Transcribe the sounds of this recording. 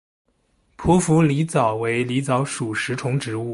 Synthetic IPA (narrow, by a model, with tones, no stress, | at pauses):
pʰu˧˥fu˧˥li˧˥t͡sɑ˨˩ʊwe˧˥ɪli˧˥t͡sɑ˧˥ʊʂu˨˩ʂɻ̩˧˥ʈ͡ʂʰʊ˧˥ŋʈ͡ʂɻ̩˧˥u˥˩